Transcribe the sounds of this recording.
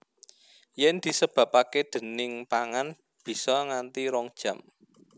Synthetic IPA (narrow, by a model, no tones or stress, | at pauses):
jɛnd̪̥i̤səb̥ä̤paked̪̥ə̤nɪŋpaŋan | b̥i̤sɔŋant̪iɾɔŋd̥ʒ̥ä̤m